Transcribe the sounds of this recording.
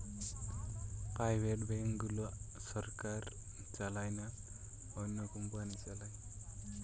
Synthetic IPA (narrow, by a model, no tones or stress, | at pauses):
pajweʈbɛŋɡulusɔɾkaɾ | t͡ʃalajna | ɔnːɔkumbuanit͡ʃalaj